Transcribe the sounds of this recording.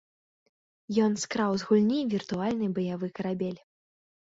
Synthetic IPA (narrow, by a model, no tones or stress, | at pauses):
jɔnskɾawzɣulʲnʲivʲirt̪ualʲnɨbɐjavɨkɐɾabʲɛlʲ